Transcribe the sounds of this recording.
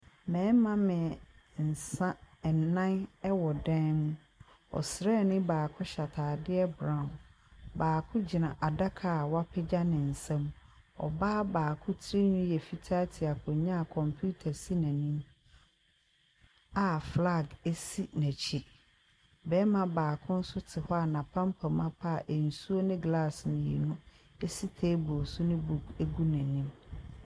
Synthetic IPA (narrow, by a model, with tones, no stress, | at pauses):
mɛ̃˨˦mã˦mɪ̃˨n̩˨sã˦ɛ˨nã˦nɛ˦wɔ˨dɛ̃˦nmũ˦ | ɔ̰˨sɪ˨ɾɛ˦˨nɪ̃˦baː˨kʰʊ˦ɕa˨tʰaː˨dɪ˦ɛ˦bɾã˦˨n | baː˨kʰʊ̃˦d͡ʑɪ˨nã˨ʔa˨da˦kʰa˨wa˦pʰɪ˦d͡ʑa˦nɪ̃˨n̩˨sɛ̃˦m | ɔ̰˨ba˦baː˨kʰʊ̃˦tʰɾi˦nũ˦jɛ˨fi˨tʰaː˦tʰɪ˨a˨kʰʊ̃˨ɲã˦˨kʰɔ̃˨mpʰju˦tʰa˨si˦nã˨nĩ˦m | a˨fla˦˨ɡe˦si˦næ̃˨t͡ɕʰi˦ | bɛː˦mã˨baː˨kʰʊ̃˦n̩˦sʊ˦tʰɪ˨hɔ˦a˨nã˨pʰã˦mpʰã˨mã˦pʰa˦˨ʔe˨n̩˨su˦o˦nɪ̃˦ɡla˦˨snʊ̃˨jḭ˨nʊ̃˦ | e˦si˦tʰe˦bɔ˨sʊ˦nɪ̃˦bu˦˨ke˦ɡu˦næ̃˨nĩ˦m